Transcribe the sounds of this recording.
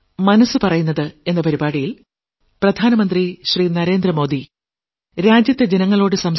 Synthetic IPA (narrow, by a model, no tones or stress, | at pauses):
mɐnɐsːɨpɐrɐjunːɐðɨe̞nːɐpɐɾibaːɽijil | prɐd̪ʱaːnɐmɐnd̪riɕriːnɐɾe̞ːnd̪rɐmo̞ːd̪i | ɾaːd͡ʑjɐt̪ːe̞d͡ʑenɐŋːɐɭo̞ːɽɨsɐms